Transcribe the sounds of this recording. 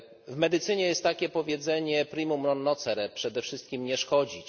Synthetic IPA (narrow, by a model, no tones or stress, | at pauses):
vmɛd̪ɘt̪sɘɲɛjɛst̪ːakʲɛpɔvʲjɛd̪zɛɲɛpɾimumɾɔnːɔt̪sɛɾɛpʂɛd̪ɛfʂɘst̪̚kʲimɲɛʂkɔd͡ʑit͡ɕ